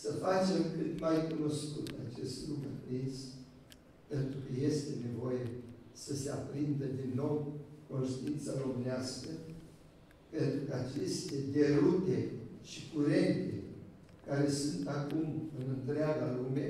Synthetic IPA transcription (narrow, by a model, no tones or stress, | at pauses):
səfat͡ʃe̞mkɨt̪majkuno̞skut̪a̰t͡ʃe̞st̪lukɨpɾins | pe̞nt̪ɾukəje̞st̪e̞ne̞vo̞je̞səse̞apɾind̪əd̪inːo̞wkonʃt̪int̪saɾo̞mɨneaskə | pe̞nt̪ɾukəat͡ʃe̞st̪e̞d̪e̞ɾut̪e̞ʃikuɾe̞nt̪e̞̰ | kaɾe̞sunt̪akumɨnɨnt̪ɾeaɡalume̞